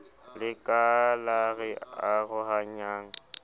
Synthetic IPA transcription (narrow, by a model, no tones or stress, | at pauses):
lɪkʼalaɣɪaɣʊɦaɲaːŋ̩